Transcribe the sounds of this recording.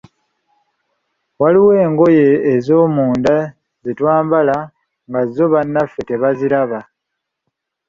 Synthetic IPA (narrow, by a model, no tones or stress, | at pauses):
waliwe̞ːŋɡo̞je̞ːzo̞ːmuːnda | zitwaːmbala | ŋɡazo̞βanːafːe̞te̞βaziɾaβa